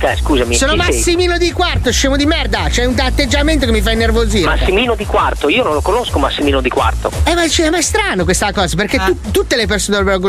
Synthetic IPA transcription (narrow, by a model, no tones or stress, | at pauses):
kɛskuːzamissoːnomasːimiːnod̪ikwart̪oʃeːmod̪imɛrd̪at͡ʃoɛunt̪aːt̪ːed͡ʒːament̪okemifainːervoziːmasːimiːnod̪ikwart̪oiːonõnlokonoskomasːimiːnod̪ikwa̰rt̪o̰ɛmat͡ʃiɛmaɛst̪ɾaːnokwest̪akɔːzaperket̪ːut̪ut̪ːelepersoːnelbeɡ